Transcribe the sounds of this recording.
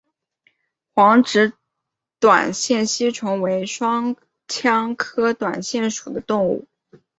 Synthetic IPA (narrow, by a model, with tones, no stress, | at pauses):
xwɑ˧˥ŋʈ͡ʂɻ̩˧˥ | t̪wa̰˨˩nɕjɛ˥˩nɕi˥ʈ͡ʂʰʊ˧˥ŋwe˧˥ɪʂwɑ˥ŋ | t͡ɕʰjɑ˥ŋkʰɤ˥t̪wa̰˨˩nɕjɛ˥˩nʂu̥˨˩d̪ə˦t̪ʊ˥˧ŋṵ˥˩